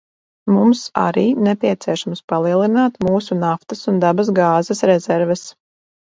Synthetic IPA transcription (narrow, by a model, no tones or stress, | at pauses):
mumsa̰ɾiːnɛpʲiɛt̪siɛʃamspalˠiɛlˠinaːt̪muːsunaft̪ɐsund̪abɐs̬ɡaːzɛsɾɛzɛɾvɛs